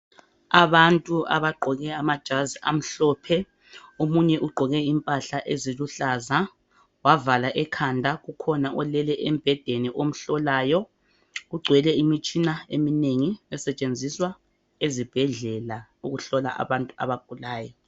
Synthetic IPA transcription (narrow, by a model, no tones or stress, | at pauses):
aβantʼua̰βaɡ͡ǃʱɔɣɛamad̥ʒ̥ʱazia̰m̩ɬɔːpʰɛ | omuɲɛʔuɡ͡ǃʱɔɣɛimpʼaɬaʔeziluɬaza | wavalaʔɛkʰandʱaɣukʰɔnaʔɔlɛlɛʔem̩b̥ʱɛd̥ʱeniʔom̩ɬɔlaːjɔ | ɣuɡ͡ǀʱwɛlɛimit͡ʃʼinaḛmineŋiɛsɛt͡ʃʼend͡zʱiswa | ezib̥ʱɛɮɛlauɣuɬɔlaʔa̰βantʼua̰βaɡ̥ʱulaːjɔ